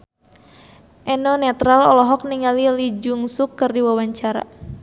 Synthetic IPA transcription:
ʔɛnɔnɛt̪ɾalɔlɔɦɔk̚niŋalilid͡ʒuŋsukːɨrdiwawaɲt͡ʃaɾa̰

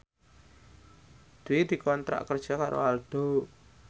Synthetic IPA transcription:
d̪̥uwed̪̥i̤kɔnt̪ɾa̰ʔkərd̥ʒ̥a̤kaɾo̰alɖ̥o

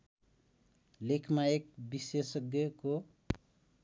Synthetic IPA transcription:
lekʰmaek̚bisesʌɡjʌko

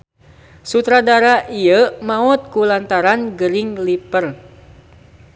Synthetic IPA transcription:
sut̪ɾadaɾaʔiəmaɔt̪̚kulant̪aɾanɡəɾiŋlipər

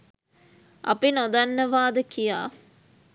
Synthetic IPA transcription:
ɐ̰pinod̪anːəʋaːd̪əkija̰ː

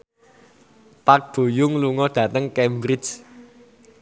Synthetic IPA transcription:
pak̚b̥o̤jʊŋluŋɔɖ̥ä̤t̪əŋkɛmbɾɪd͡ʒ

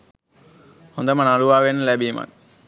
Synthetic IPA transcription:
hond̪əmənaluʋaːʋenːəlæbiːma̰k

